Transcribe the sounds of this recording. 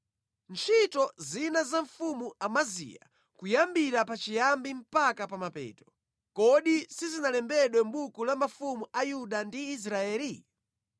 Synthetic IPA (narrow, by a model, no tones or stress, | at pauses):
nt͡ʃʰitɔzinazaɱfumuamazḭja̰ | kujambiɾapat͡ʃijambim̩pakapamapɛ̰ːtɔ̥ | kɔɗisizinalɛmbɛɗwɛmbukulamafumuajuɗandiːs̬ɾaɛːli